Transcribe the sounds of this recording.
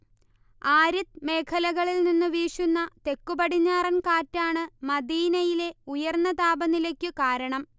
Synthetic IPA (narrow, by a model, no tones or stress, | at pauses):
aːɾit̪me̞ːkʰɐlɐɣɐɭilninːɨʋiːʂunːɐt̪e̞kːubɐɽiɲːaːrɐnkaːtːaːɳɨmɐd̪iːnɐjile̞ujɐrnːɐt̪aːbɐnilekʲːɨkaːɾɐɳɐm